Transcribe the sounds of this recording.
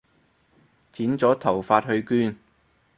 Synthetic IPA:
t̪ʰiː˨˥nt͡sɔː˨˥t̪ʰɐ˨˩wfaː˧t̚hɵ˧ɥkyː˥n

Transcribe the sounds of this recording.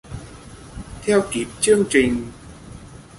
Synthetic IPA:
t̪ʰɛ˧wki˨˦˥p̚t͡ɕɨ˧əŋt͡ɕï˨˩ŋ̟

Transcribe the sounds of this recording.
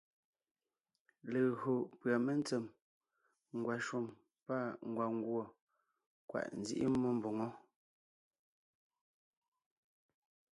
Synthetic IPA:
le˨ɣo˨pɰa˨me˦n˦t͡sɛ˨m | ŋ˨ɡwa˨ʃwu˨m | pa˦˨ŋ̩˨ɡwa˨ŋ˦ɡwɔ˨ | kwa̰˨ʔn̩˨zḭ˦ʔḭ˦mɔ˦m˨bo˨ŋɔ˦

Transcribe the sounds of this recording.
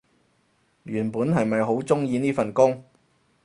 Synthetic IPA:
jyː˨˩npuː˨˥nɦɐ˨jmɐ˨jɦo˨˥wt͡sʊ˥ŋjiː˧niː˥fɐ˨nkʊ˥ŋ

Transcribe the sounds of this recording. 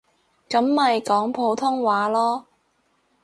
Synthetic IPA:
kɐ˨˥mːɐ˨jkɔː˨˥ŋpʰo˨˧wt̪ʰʊ˥ŋwaː˨˥lɔː˥

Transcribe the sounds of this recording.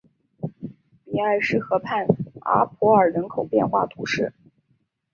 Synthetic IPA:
pi˨˩a˥˩ɪʂɻ̩˥˩xɤ˧˥pʰa˥˩na̰˧˥pʰɔ˧˥ə˞˨˩ɻə˧˥nkʰo˨˩ʊpjɛ̰˥˧nxwa̰˥˩t̪ʰu˧˥ʂɻ̩˥˩

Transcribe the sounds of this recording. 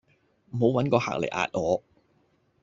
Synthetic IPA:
m̩˨˩ho˨˥wɐ˨˥nkɔː˧ha̰ː˨k̚lḛ˨˩jʔa̰ː˧t̚ŋɔː˨˧

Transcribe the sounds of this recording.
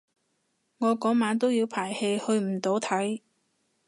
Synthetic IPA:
ŋɔː˨˧kɔː˨˥ŋmaː˨˧nt̪o˥wjiː˨˧wpʰaː˨˩jhe˧jhɵ˧ɥm̩˨˩t̪o˨˥wt̪ʰɐ˨˥j

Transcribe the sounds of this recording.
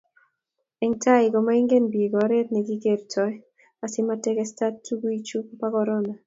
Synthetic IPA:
ɛŋta˦ɪɡo˨ma˦i˦ŋɡe˦nbi˨ɡɔ˨ɾe˦t̪̚nɛ˨ɡi˦ke˦ɾt͡ʃɔ˦j | a˨sɪ˦matɛkɛstatːu˦ɡuit͡ʃu˦pakɔɾɔna˨

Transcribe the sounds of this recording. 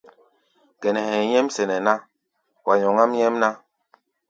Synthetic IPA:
ɡ̥ɛ˨nɛ˨hɛ̃˨jɛ˦msɛ˨nɛ˨na˦ | wa˨ɲɔ˨ŋa˦mɲɛ˦mna˦

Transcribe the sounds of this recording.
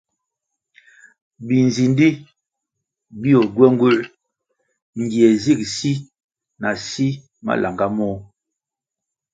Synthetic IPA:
bi˨n˨zi˨ndi˦ | bi˦ɔ˨ɡwɛ˦ŋ˦ɡu˦l | ŋ˨ɡi˨ɛ˨zi˦˨k̚si˦ | na˨si˦ | ma̰˦lʔa˨ŋɡa˦mɔ˦

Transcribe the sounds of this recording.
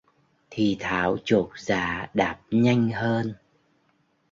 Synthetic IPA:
t̪ʰi˨˩t̪ʰaː˨˦wt͡ɕo˨˩t̚zaː˧˩˦ɗaː˨˩p̚ɲa˧jŋ̟həː˧n

